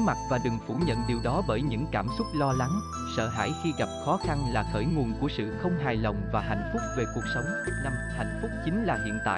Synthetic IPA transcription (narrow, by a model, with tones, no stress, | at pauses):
ma˨˩t̚vaː˨˩ɗɨ˨˩ŋfu˧˩ɲə̰˧˨nɗi˨˩wɗɔ˨˦ɓəː˧˩jɲɨ̰˧˥ŋkaː˧˩msʊ˦˥k͡p̚lɔ˧la˨˦ŋ | sə̰ː˧˨ɦa̰ː˧˩jxi˧ɣa˨˩p̚xɔ˨˦xa˧nlaː˨˩xəː˧˩jŋu˨˩ənku˧˩əsɨ̰˧˨xə˧wŋ͡mɦaː˨˩jlə˨˩wŋ͡mvaː˨˩ɦa̰˧˨jŋ̟fʊ˦˥k͡p̚ve˨˩ku˨˩ək̚sə˨˦wŋ͡mna˧m | ha̰˧˨jŋ̟fʊ˦˥k͡p̚t͡ɕï˨˦ŋlaː˨˩hḭ˧˨ənt̪a̰ː˧˨